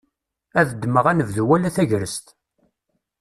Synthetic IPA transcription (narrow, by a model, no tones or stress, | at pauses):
æðəd̪ːməʁænəvðuwælæθæʝɾəst̪